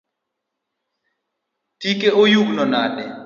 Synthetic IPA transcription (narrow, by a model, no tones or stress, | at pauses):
tikeʔojuɡnɔnaɗɛ